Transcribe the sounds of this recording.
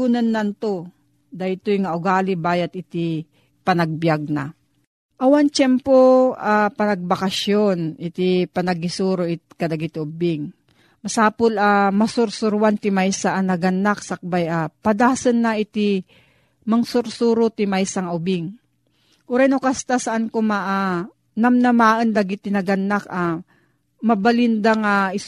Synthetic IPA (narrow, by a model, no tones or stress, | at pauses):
unanːɐnt̪o | d̪aɪt̪ojŋaʔʊɡaːlɪbaːjɐt̪ɪt̪ɪ | pɐnɐɡ̚bjaɡ̚na | ʔɐwant͡ʃɛmpoapɐnɐɡ̚bakɐʃjonʔɪt̪ipɐnɐɡɪsuːɾoʔɪt̪̚kɐd̪ɐɡɪt̪ʊbɪŋ | mɐsaːpolamɐsʊɾsʊɾwant̪ɪmajsaʔanɐɡɐnːak̚sɐk̚bajapɐd̪aːsɐnːaʔɪt̪ɪ | mɐŋsʊɾsuːɾot̪ɪmajsaŋʊbɪŋ | kʊɾajnokast̪asɐʔankomaʔa | nɐmnɐmaːʔɐnd̪ɐɡɪt̪ɪnɐɡɐnːaka | mɐbalɪnd̪aŋaɪ